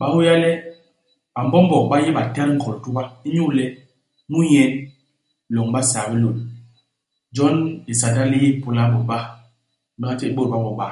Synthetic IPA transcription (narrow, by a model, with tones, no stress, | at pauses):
ɓa˦hu˦ja˦lɛ˦ | a˨m˨bɔ˦m˦bɔ˨ɓa˦ji˦ɓa˨ta˦ɾŋ̩˦ɡɔ˨ltu˦ba˦i˦ɲu˦˨lɛ˦ | mu˦ɲɛ˦n˨ | lɔ˨ŋɓa˦sa˨bi˦lo˨l | d͡ʒɔ˦ni˨sa˨da˦li˦ji˦˨pu˨la˦ɓɔ˨ɓa˦ | ma˦t͡ʃɛ˦i˦ɓo˦ɾɓa˦mbɔ˨ɓa˦